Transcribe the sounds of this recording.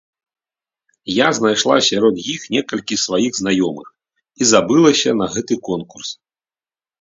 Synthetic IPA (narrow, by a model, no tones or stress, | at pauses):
jaznajʂlˠasʲaɾɔd̪jixnʲɛkɐlʲkʲisvajiɣznajɔmɨ̰x | izabɨlˠɐsʲɐnɐɣɛt̪ɨkɔnkurs